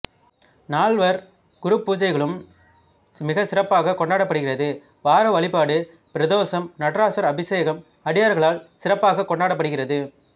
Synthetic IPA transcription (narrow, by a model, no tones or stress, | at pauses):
naːɭʋɐɾ | ɡ̥ʊɾɯpːuːd͡ʒɐɪɣɐɭɯm | mɪɣɐsɪɾɐpːaːɣɐkɔɳɖaːɽɐpːɐɽɯɣɪrɐðɯ | ʋaːɾɐʋɐɭɪpːaːɽɯ | pɪɾɐðoːsɐmnɐʈrɾaːsɐɾɐbɪseːɣɐm | ɐɽɪjaːɾɣɐɭaːlsɪrɐpːaːɣɐkɔɳɖaːɽɐpːɐɽɯɣɪrɐðɯ